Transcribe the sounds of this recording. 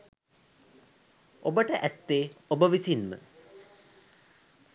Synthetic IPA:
ʔobəʈəʔæt̪ːeːobəʋisinmə̰

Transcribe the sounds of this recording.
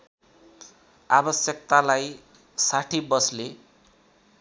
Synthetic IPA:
abʌsjʌk̚t̪alaj | saʈʰibʌsle

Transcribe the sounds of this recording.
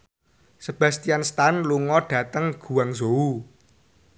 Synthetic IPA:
səb̥ä̤st̪ijanst̪anluŋɔɖ̥ä̤t̪əŋɡ̥ṳwaŋzou

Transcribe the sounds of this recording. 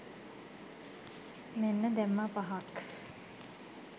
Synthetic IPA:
menːəd̪ɛmːapaɦak

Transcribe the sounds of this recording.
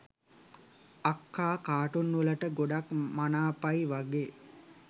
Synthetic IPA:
akːaːkaːʈunːʋələʈəɡoɖakmanaːpajʋaɡeː

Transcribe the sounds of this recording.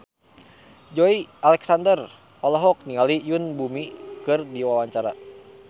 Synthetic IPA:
d͡ʒɔialɛksandər | ɔlɔɦɔk̚niŋalijunbumikɨrdiwawaɲt͡ʃaɾa

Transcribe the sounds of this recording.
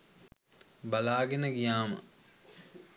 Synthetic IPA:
balaːɡenəɡijaːmə̰

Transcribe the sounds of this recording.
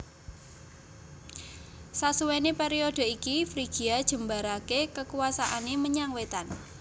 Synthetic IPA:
sasuwenepeɾiod̥ə̤ikifɾiɡ̥i̤ad̥ʒ̥ə̤mbaɾakekəkuwasaʔaneməɲaŋwet̪an

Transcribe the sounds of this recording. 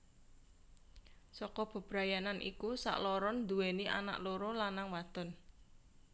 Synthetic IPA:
sɔkɔb̥ə̤b̥ɾa̤jananʔḭkusa̰ʔlɔɾɔnd̪uweniʔa̰na̰ʔloɾolanaŋwad̪̥ɔn

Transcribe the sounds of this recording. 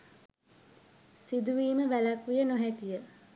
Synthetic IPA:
sid̪uʋiːməʋælakʋijənoɦækijə

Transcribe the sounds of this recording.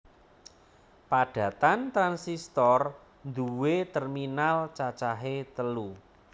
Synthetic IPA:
paɖ̥ä̤t̪ant̪ɾansist̪ɔr | nd̪uwet̪ərminalt͡ʃat͡ʃaɦet̪əlu

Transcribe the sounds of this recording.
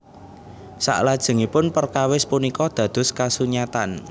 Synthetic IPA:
sa̰ʔlad̥ʒ̥ə̤ŋipʊnpərkawɪspunikɔd̪̥ä̤d̪̥ʊ̤skasuɲat̪an

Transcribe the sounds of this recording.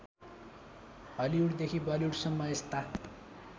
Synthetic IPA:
bʌliuɽd̪ekʰibʌliuɽsʌmːʌest̪a

